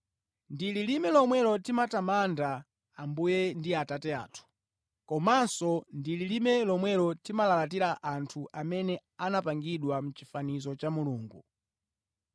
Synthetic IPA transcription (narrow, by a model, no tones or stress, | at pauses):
ndililimɛlɔmwɛlɔtimatamandaː | mbujɛndiatatɛa̰tʰu̥ | kɔmansɔndililimɛlɔmwɛlɔtimalalat̬iɾaʔantʰuʔamɛnɛ | anapaŋɡiɗwam̩t͡ʃifanizɔt͡ʃamuluːŋɡu